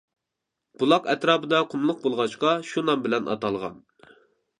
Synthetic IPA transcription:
b̥ulˠɑqɛt̪ɾɑːpɨd̪ɑqʰʊmlˠʊq̚bolˠʁɑʃqɑʃunɑmbɪlɛnʔɑ̰t̪ɑlˠʁɑ̰n

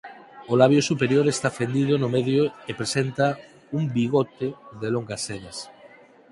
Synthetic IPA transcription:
olaβjosupeɾjoɾest̪afend̪iðʊnʊmeðjoepɾesent̪ɐ | umbiɣot̪eðeloŋɡɐseðɐs

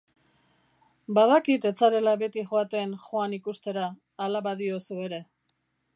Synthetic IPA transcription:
baðakit̪e̞t͡saɾe̞laβe̞t̪iʝoat̪e̞nʝoanikust̪e̞ɾaː | laβaðio̞sue̞ɾe̞

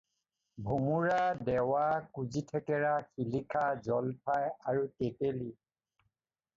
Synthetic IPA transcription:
bʱumuɹadɛwakuzitʰɛkɛɹaxilikʰazɔlpʰajaɹutekeli

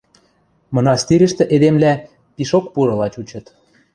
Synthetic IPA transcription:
mŏnɑst̪iɾʲə̆ʃt̪ĕʔed̪emlæ | piʃokpuɾɤ̆lɑt͡ɕut͡ɕɤ̆t̪

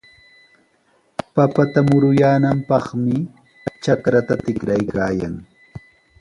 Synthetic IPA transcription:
papat̪amʊɾʊjaːnampɑχmɪ | t͡ʃakɾat̪at̪ɪkɾajkaːja̰ŋ

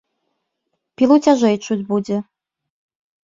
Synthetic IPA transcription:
pʲilˠut͡sʲaʒɛjt͡ʂud͡zʲbud͡zʲɛ

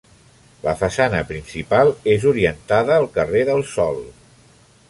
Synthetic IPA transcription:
ləfəsanəpɾinsipalˠezuɾiənt̪aðəːlˠkəreðəlˠsɔlˠ

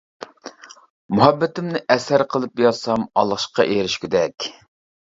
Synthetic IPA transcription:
muɦɛbːɪt̪ɪmnɪʔɛsæɾqʰəlˠɨp̚jɑsɑmɑlˠχʃqʰɑ̰ʔeɾɪʃkʲyd̪ɛkʲ

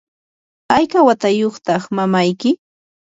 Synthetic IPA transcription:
ajkawat̪ajoχt̪ɑχmamajkɪ

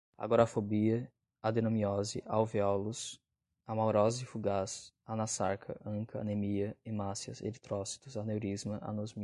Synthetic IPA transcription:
a̰ɡɔɾafobiɐ | ad̪enõmiɔzɪ̰ʔawviɔlʊs | amawɾɔzɪfuɡas | anasaɾkʰɐ̰ʔɐ̃kɐɐ̰nemiɐemasiɐ̰sḛlit̪ɾɔsi̥t̪ʊzanewɾizmɐʔa̰nozmi

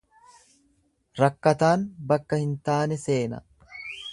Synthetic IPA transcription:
ɾɐkːɐt̪aːnbɐkːɐhɪnt̪aːnɛse̞ːnɐ̰

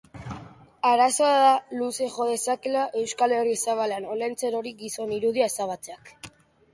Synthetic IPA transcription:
aɾaso̞aðaluse̞ʝo̞ðe̞sakelaʔe̞wskale̞risaβ̞aleano̞lent͡seɾo̞ɾiɡiso̞niɾuðiae̞saβ̞at͡seak

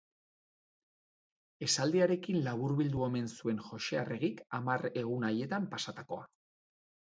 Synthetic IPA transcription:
e̞sald̪iaɾe̞kinlaβuɾβild̪ue̞me̞nsue̞nʝo̞ʃe̞areɣikamaɾe̞ɣ̞unaje̞t̪ampasat̪ako̞a

